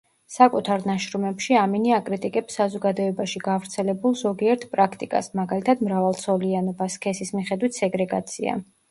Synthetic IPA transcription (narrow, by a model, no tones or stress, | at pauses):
sakʼut̪ʰaɾnaʃɾumɛpʃiaminiakʼɾit̪ʼikʼɛpsːazɔɡad̪ɔɛbaʃiɡavɾt̪sʰɛlɛbulˠzɔɡiɛɾt̪ʰpʼɾakʰt̪ʼikʼa̰smaɡalit̪ʰad̪mɾavalˠt̪sʰɔlianɔbaskʰɛsismiχɛd̪wit̪ʰsɛɡɾɛɡa̰t̪sʰḭa̰